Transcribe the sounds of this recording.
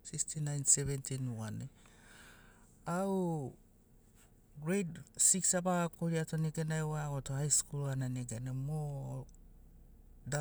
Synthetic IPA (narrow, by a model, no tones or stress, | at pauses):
sikstʰinajnseventinuwane | aw | ɡɾejtsiksabaɡakoɾiatoneɡenaewaaɡotohajskulananeɡenamo | da